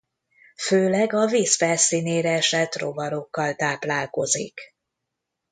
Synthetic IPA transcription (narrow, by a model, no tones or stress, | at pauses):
føːlɛɡɒviːsfɛlsiːneːɾɛɛʃɛt̪ro̞̰vɒɾo̞kːɒlt̪aːplaːlko̞zḭk